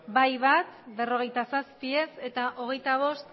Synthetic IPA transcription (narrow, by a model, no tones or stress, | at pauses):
bajβat̪be̞ro̞ɣ̞e̞jt̪asaspie̞se̞t̪aʔo̞ɣ̞e̞jt̪aβ̞o̞st̪